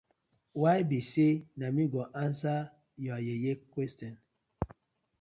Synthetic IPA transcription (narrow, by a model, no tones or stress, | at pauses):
wajbisenamiɡɔʔansa | jɔajejekwɛstɔn